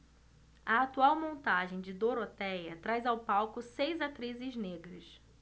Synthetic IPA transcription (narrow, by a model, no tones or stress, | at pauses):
ɐat̪uawmõnt̪aʒẽj̃d͡ʒɪd̪oɾot̪ɛjɐt̪ɾajzawpawkʊsejzat̪ɾizɪzneɡɾɐs